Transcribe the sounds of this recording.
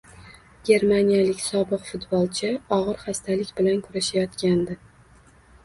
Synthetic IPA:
ɡʲe̞ɾmanijalɪkʲsɒbɨqfʊt̪bɒlˠt͡ʃʰɪɒʁɨɾχast̪ʰalɪkʲbɪlankʰʊɾaʃajɒt̪kʲand̪ɪ

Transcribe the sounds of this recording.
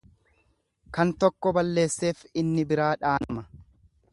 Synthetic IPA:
kɐnt̪ɔkːɔbɐlːe̞ːsːe̞ːfɪnːɪbɪɾaːᶑaːnɐmɐ

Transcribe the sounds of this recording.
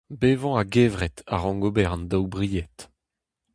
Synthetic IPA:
beːvɑ̃aɡɛvʁɛt̪ʰa̰ʁɑ̃ŋɡobɛʁnd̪awbʁijɛt̪

